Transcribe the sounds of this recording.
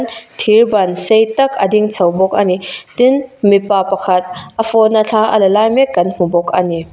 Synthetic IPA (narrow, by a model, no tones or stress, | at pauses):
nt̪ʰirbɐnsejt̪ɐk̚ʔɐd̪iŋt͡sʰɐwbɔk̚ʔanit̪inmipapɐkʰɐt̪̚ʔɐfɔnaɬʰaʔɐlɐlajmɛkːɐnm̥ubɔk̚ʔani